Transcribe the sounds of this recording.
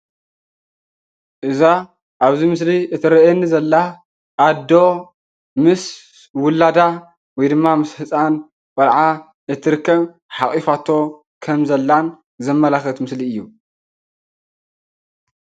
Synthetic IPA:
ʔɨza | ʔaβzimɨsliʔɨt̪ʰɨɾɐɛnːizɐlːa | ʔːd̪o̞ | mɨs | wʊlːad̪a | wɔjd̪ɨmːamɨshɨt͡sʼan | kʼɐlʕa | ɨt̪ʰːɨɾɨkːɐβ | ħaχʼifat̪ʰːo̞ | kʰɐmzɐlːan | zɐmːɐlaxɐt̪mɨsliɨjːu

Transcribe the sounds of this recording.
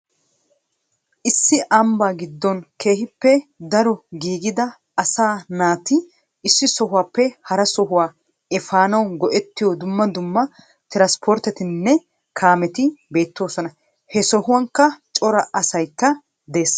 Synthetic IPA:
ʔɪsːɪʔɐmbaːɡɪd̪ːɔnke̞ːɦɪpːɛd̪ɐɾɔɡiːɡɪd̪ɐ | ɐsaːnaːt̪ɪ | ɪsːɪsɔɦʊwaːpːɛhɐɾɐsɔɦʊwaː | ɛfaːnɐwɡɔʔɛt̪ːɪjɔd̪ʊmːɐd̪ʊmːɐ | t̪ɪɾaspʰɔɾt̪ɛt̪ɪnːɛ | kʰaːmɛt̪ɪbe̞ːt̪ːo̞ːsɔnɐ | hɛsɔɦʊwɐŋkːɐt͡ʃʼɔɾɐʔɐsɐjkːɐ | d̪e̞ːs

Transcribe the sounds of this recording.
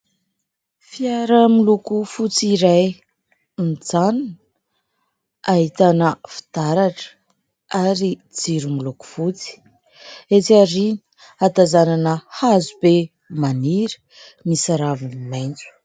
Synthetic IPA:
fiaɾəmilukufut͡siɾaj | nd͡zann | aɦit̪anəfi̥t̪aɾaʈ͡ʂə̥ | aɾid͡ziɾumiluku̥fut͡si̥ | et͡siaɾini̥ | at̪azananəhazube | maniɾə̥ | misaɾavinimajnt͡su̥

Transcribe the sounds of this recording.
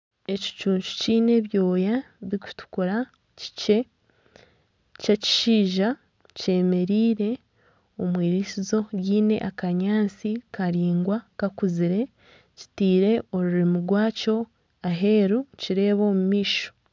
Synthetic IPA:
e̞ci̥t͡ʃuːɲt͡ʃu̥ciːne̞βjo̞ːja | βiku̥tu̥kuɾa | ci̥ce̞ | caci̥ʃiːʒa | ce̞ːme̞ɾiːɾe̞ | omwiːɾisizo̞ɡiːne̞̰ʔakaɲaːnt͡sikaɾiːŋɡwakakuziɾe̞ | ci̥tiːɾe̞o̞ɾuɾimuɾɡwaːco̞ | aɦe̞ːɾuciɾe̞ːβo̞mumiːʃo̥

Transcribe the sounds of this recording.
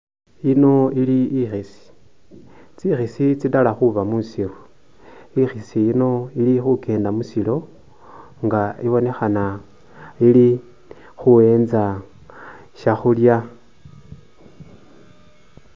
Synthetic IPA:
ino̞iliixisi̥ | t͡sixisit͡sidalaxuβamusiru | ixisiino̞ilixukʰe̞ːndamusilo̞ | ŋɡaiβo̞ne̞xana | ili | xuwe̞ːnza | ʃaxulja

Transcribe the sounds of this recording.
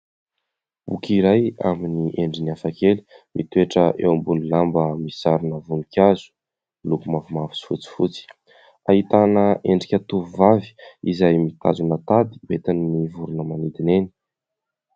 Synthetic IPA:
bukiɾaja̰miniʔeɳɖ͡ʐiniafakeli̥mʔit̪ueʈ͡ʂəʔḛwambunilambəmisaɾinəvunikʲazu̥ | lukumavumavi̥si̥fut͡si̥fut͡si̥ | aɦit̪anəʔeɳɖ͡ʐikʲat̪uvuvavi̥izajmit̪a̰zunat̪ad̪i̥uet̪aninivuɾunəmanid̪ineni

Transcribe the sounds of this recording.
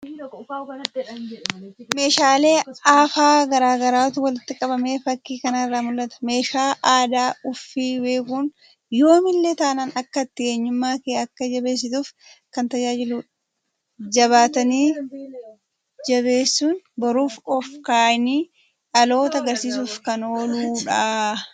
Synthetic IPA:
me̞ːʃaːle̞ːaːfaːɡɐɾaːɡɐɾaːt̪ʊwɐlɪt̪ːɪkʼɐbɐme̞ːfɐkːiːkɐnaɪrːaːmʊlːɐt̪ɐ̥me̞ːʃaːʔaːd̪aːʊfːiːbe̞ːkuːn | jo̞ːmɪlːet̪ɐʔnɐnɐkːɐt̪ːɪkeːɲːʊmːaːkeːɐkːɐd͡ʒɐbe̞ːs̬ːɪt̪uːf | kɐnt̪ɐd͡ʒaːd͡ʒɪluː | d͡ʒɐβaːt̪ɐniː | d͡ʒɐβe̞ːsːuːnbɐɾuːfɔfkaːɪniː | ᶑɐlo̞ːt̪ɐɐɡɐɾsiːs̬uːfkɐnoːluːᶑaː

